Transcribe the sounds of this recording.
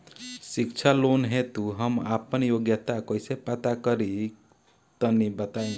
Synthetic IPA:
sikt͡ʃʰalonɦet̪uɦəmapənjoɡjət̪akoisepət̪akəɾi | t̪ənibət̪aĩ

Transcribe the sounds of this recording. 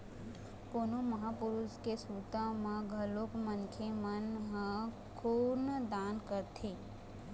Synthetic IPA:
ponõməɦapʊɾuskesut̪ãmãɡʱəlokmənkʰemənɦə̃ | kʰoːnd̪aːnkəɾt̪ʰeː

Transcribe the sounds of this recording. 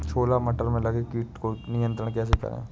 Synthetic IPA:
t͡ʃʰoːlamɐʈəɾmẽlɐɡekiːʈkonɪjə̃nt̪ɾəɽ̃kɛːs̬ekɐ̰ɾḛ̃ː

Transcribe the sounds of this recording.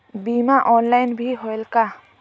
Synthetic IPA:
bimaʔɔːnlajnbʱiɦoelka

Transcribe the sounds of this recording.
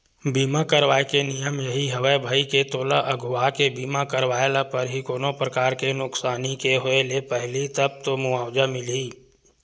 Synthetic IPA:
biːmakəɾʋaːekenijəmjəɦiɦɐʋəbʱəiket̪oːlaʔəɡʱʊakebiːmakəɾʋaːelapəɾɦikoːnopɾəkaːɾkenʊksaːnikeɦoelepɛɦlit̪ɐb̚t̪omʊaːwd͡ʒamɪliː

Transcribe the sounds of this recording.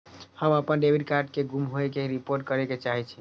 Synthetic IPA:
həməpənɖebʱiɖkaɾɖ̚keɡumɦoekeɾipoɾʈ̚kəɾeket͡ʃaɦit͡ʃʰi

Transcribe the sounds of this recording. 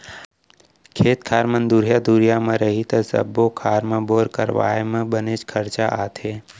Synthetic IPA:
kʰeːt̪kʰaːɾmə̃nd̪uːɾijad̪uːɾijamẽɾəɦit̪ɐsə̰bːokʰaːɾmẽboːɾkəɾʋa̰ːemẽbəneːt͡ʃkʰɐɾt͡ʃaʔaːt̪ʰeː

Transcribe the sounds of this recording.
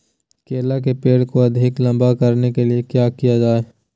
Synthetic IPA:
keːlak̬epeːɽkoɐd̪ʱɪklɐ̃mbakɐɾnekeliekjaːkijad͡ʒaːe

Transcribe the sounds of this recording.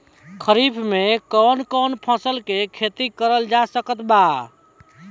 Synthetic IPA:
kʰəɾibʰʱmekɔnkɔnpʰə̃səlkekʰet̪ikəɾəld͡ʒasəkət̪ba

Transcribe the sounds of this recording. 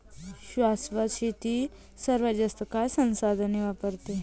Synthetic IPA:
ɕʋasʋəɕit̪i | səɾʋəd͡ʒəst̪əkajsənsad̪ʱəniʋapəɾt̪e

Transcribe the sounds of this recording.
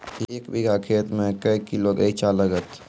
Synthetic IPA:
eːkbiɡʱakʰeːt̪mẽkəikːiloɡəit͡ʃaləɡət̪

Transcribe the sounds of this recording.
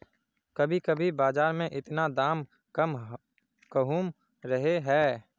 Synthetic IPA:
kɐbʱikɐbʱibaːzaːɾmẽʔɪt̪nad̪aːm | kɐm | kəɦuːm | ɾɐɦeɦɛː

